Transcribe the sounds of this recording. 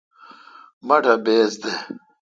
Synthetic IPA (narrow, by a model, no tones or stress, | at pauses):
mɐʈɐbeːsd̪e